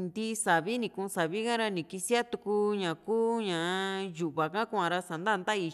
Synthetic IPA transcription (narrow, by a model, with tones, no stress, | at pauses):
nd̪i˦sa˨βi˦nĩ˧kũ˧sa˨βi˦kã˦ɾa˧nĩ˨ki˧si˦a˦t̪u˧ku˧˦ɲã˨kuː˦ɲã˨˦ju˨ʔβa˨kã˦ku˧˦ã˧ɾa˧sa˨nd̪a˦˧nd̪a˦˧i˧